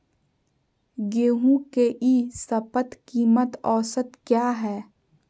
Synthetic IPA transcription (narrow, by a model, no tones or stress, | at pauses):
ɡeːɦũkeʔiːsɐpət̪kiːmət̪ɔːsət̪kjaːɦɛː